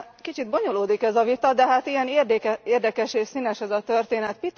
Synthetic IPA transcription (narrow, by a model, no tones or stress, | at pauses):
kit͡ʃid̪̚bo̞ɲoloːd̪ikɛzɒvit̪ɒd̪ɛɦaːt̪ijɛnerd̪kɛeːrd̪ɛkɛʃeːʃsinɛʃɛzɒt̪ørt̪eːnɛt̪pit̪